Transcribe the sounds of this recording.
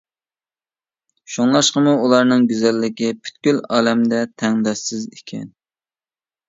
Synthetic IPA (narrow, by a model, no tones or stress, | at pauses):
ʃoŋlˠɑʃqəmuulˠɑɾnɨŋɡʲyzɛlːɪkʲipʰy̥t̪ɡʲylɑːlɛmd̪ɛt̪ʰɛŋd̪ɑʃɪzikʲʰɛ̰n